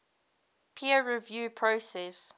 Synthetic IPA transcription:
pʰiəɹivjuːpʰɹosɛs

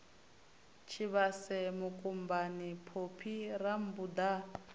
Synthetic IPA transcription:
t͡ʃʰiβasɛmukʼumbanipʰopʰiram̩bud̪a

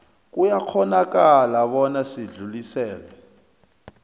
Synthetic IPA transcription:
k̬ujak͡xʰɔnak̬alaɓɔnasiɮulisɛːlɛ

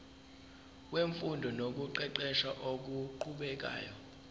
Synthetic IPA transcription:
k̬ʼweɱfundʱɔnok̬uǃɛǃɛʃaʔok̬uǃʰuɓɛk̬a̰ːjɔ

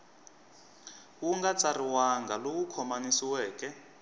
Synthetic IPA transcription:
wuŋɡat͡sariwaŋɡalowukʰɔmanisiwɛːkɛ

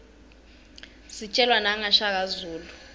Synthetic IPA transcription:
sit͡ʃʼɛlwanaŋaʃak̬azuːlu

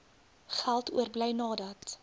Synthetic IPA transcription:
χælˠtṵərbləjnɑːdɐt

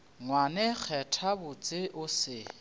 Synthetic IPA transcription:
ŋwanɛk͡xʰɛtʰabʊt͡sʼɪʔʊsɪ

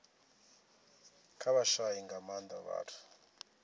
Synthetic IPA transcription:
kʰaβaʃaiŋɡamand̪aβa̰ːtʰu̥

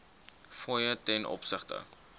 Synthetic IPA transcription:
fɔjətɛnʔɔ̰psəχtə̰

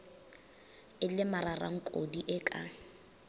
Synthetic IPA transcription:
ɪlɪmarara̰ŋ̩kʼodiʔɪkʼa̰

